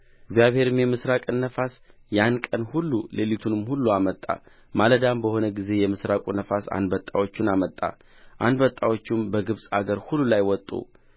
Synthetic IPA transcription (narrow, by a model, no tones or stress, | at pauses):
ɡzijaβhe̞ɾɨmjɛmɨsɾakʼɨnːəfas | jankʼənhulːule̞lit̪ʰunɨmhulːuamət̪ʼːa̰ | maləd̪ambəho̞nəɡize̞jɛmɨsɾakʼunəfasa̰nd̪bət̪ʼːawo̞t͡ʃːɪnamət̪ʼːa̰ | ʔand̪bət̪ʼːawo̞t͡ʃːɪmbəɡɨβsʼaɡəɾhulːulajwɔt̪ʼːṵ